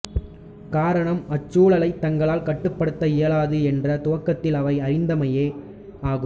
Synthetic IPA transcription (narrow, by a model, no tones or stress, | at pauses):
kaːɾɐɳɐmɐt͡ʃːuːɭɐlɐɪt̪ːɐŋɡɐɭaːlkɐʈːɯpːɐɽɯt̪ːɐɪjɐlaːðɯɛndrɐt̪ʊʋɐkːɐt̪ːɪlɐʋɐɪɐɾɪnd̪ɐmɐjeː | aːɣɯ